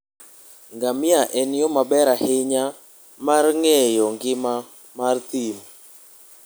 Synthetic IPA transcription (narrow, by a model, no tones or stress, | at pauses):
ŋɡamɪaʔɛnjɔmabɛɾahɪɲa | marŋɛjɔŋɡɪma | mart̪im